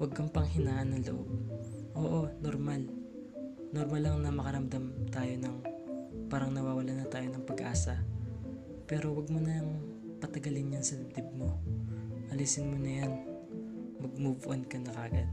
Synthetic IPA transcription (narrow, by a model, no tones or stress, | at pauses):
wɐɡ̚kɐŋpɐŋhɪnaːʔɐnːɐŋlɐ̰ʔo̰b̚ʔo̞ːʔo̞noɾmal | noɾmalːɐŋnɐmɐkɐɾɐmd̪ɐmt̪aːjo̞nɐŋpaːɾɐŋnɐwaːwɐlanɐt̪aːjo̞nɐŋpɐɡʔaːsɐ | pɛːɾo̞wɐɡ̚monɐɐŋ | pɐt̪ɐɡɐlɪnjansɐd̪ɪb̚d̪ɪb̚mo | ʔɐliːsɪnmonɐjan | mɐɡ̚mubʊʔonkɐnɐkaːɡɐd̪̚